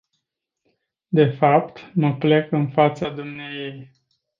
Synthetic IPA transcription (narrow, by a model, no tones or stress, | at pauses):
d̪e̞fapt̪məple̞kɨnfat̪sad̪umnejej